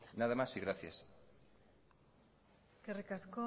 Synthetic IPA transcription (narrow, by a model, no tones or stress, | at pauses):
naðamasiɣɾaθjas | skerekasko